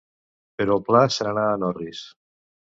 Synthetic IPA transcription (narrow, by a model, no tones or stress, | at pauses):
peɾɔlˠplasaɾanaanɔris